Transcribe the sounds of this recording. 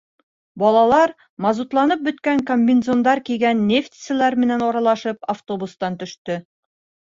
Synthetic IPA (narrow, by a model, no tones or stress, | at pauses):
bɒlˠɑlˠɑɾ | mɑzut̪lˠɑnɤp̚bɵ̆t̪kæŋkomʲbʲɪnzond̪ɑɾkijɡænːeft̪ʲi̥sɘ̆læɾmɘ̆nænɒɾɑlˠɑʃɤpaft̪obust̪ɑnt̪ɵ̆ʃt̪ɵ